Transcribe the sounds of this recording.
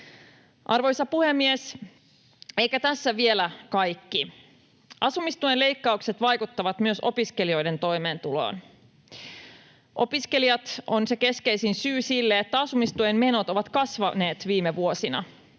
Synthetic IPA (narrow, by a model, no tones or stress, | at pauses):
ʔɑrʋo̞jsɑpuhemːies | e̞jkæt̪æsːæʋie̞lækɑjkːi | ʔɑsumist̪uenle̞jkːɑukse̞t̪ʋɑjkut̪ːɑʋɑt̪myøso̞piske̞lio̞jde̞nt̪o̞jme̞ːnt̪ulo̰ːn | ʔo̞̰piske̞lijɑt̪o̞nse̞ke̞ske̞jsinsyːsilːeet̪ːæɑsumist̪uemme̞not̪o̞ʋɑt̪kɑsʋɑne̞ːt̪ʋiːmeʋuo̞sinɑ̰